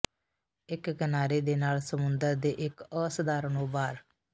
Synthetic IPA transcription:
ɪkɡənaːɾeːd̪eːnaːlsəmʊnd̪əɾd̪eːʔɪkəːsəd̪aːɾnõːbaːɾ

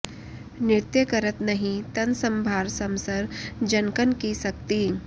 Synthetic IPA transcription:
nɪɾt̪jəkəɾət̪nɐɦĩt̪ɐnsə̃mbʱaːɾsɐ̃msəɾd͡ʒɐnkənkisɐk̚t̪iː

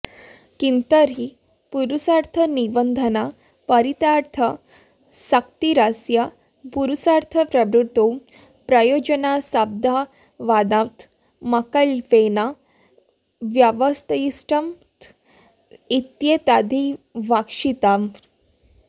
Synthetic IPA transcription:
kint̪əɾɦi | puɾusaɾt̪ʰənibənd̪ʱəna | pəɾit̪aɾt̪ʰə | sak̚t̪iɾasja | puɾusaɾt̪ʰəpɾəbɾut̪ːo | pɾəjod͡ʑənasab̚d̪ʱa | ʋad̪ãt̪ | makəɭʋena | ʋjaʋəst̪əjisʈəm | t̪ | it̪jet̪ad̪ʱiʋakʂit̪a

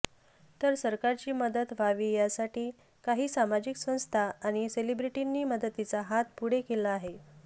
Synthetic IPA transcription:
t̪əɾsəɾkaɾt͡ɕiːməd̪ət̪ʋaʋiːjasaʈiː | kaɦiːsamad͡ʑiksə̃w̃st̪ʰaːɽ̃iselibɾiʈinːiːməd̪ət̪it͡saɦat̪̚puɽekelaːɦe

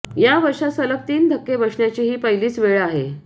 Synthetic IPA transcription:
jaʋəɾʂasələk̚t̪iːnd̪ʱəkːebəʂɳjat͡ɕiːɦiːpəiliːt͡sʋeɭaɦe

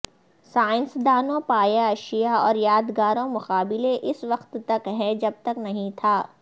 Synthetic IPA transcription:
saːɪ̃nsd̪aːnõpaːjaɐʃijaɔːɾjaːd̪ɡaːɾõmʊqaːbɪleʔɪsʋɐqt̪ːɐkɦɛ̃d͡ʒɐb̚t̪ɐknɐɦĩt̪ʰaː

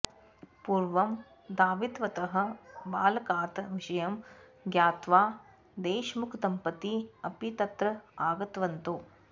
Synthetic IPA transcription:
puːɾʋɐm | d̪aːʋid̪ʋɐt̪ɐɦɐ̆baːlɐkaːt̪ɐʋiʂɐjɐm | ɡjaːt̪ʋaː | d̪eːʃmukʰt̪ɐmpɐt̪iɐpit̪ɐt̪ɾɐaːɡɐt̪ʋɐnt̪uː

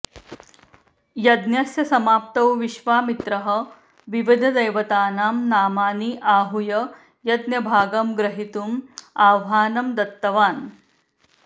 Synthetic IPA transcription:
jɐd̪njɐsjɐsɐmaːp̚t̪ɐwʋiʃʋaːmit̪ɾɐɦɐ̆ | ʋiʋid̪ʱɐd̪ɐjʋɐt̪aːnaːmnaːmaːniʔaːɦujɐ | jɐd̪njɐbʱaːɡɐmɡɾɐɦit̪umaːʋɦaːnɐmd̪ɐt̪ːɐʋaːn

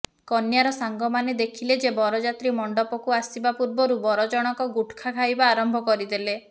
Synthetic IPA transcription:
kɔnjaɾɔsaŋɡɔmaned̪ekʰiled͡ʒebɔɾɔd͡ʒat̪ɾimɔɳɖɔpɔkuasibapuɾbɔɾubɔɾɔd͡ʒɔɽ̃ɔkɔɡuʈʰkʰakʰajbaːɾɔmbʱɔkɔɾid̪ele

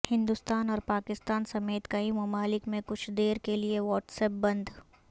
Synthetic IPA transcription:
hɪ̃nd̪ust̪aːnɔːɾpaːkɪst̪aːnsɐmeːt̪kɐimɐmaːlɪkmẽkʊt͡ʃʰd̪eːɾkelieʋɔːʈsɛːp̚bɐ̃nd̪ʱ

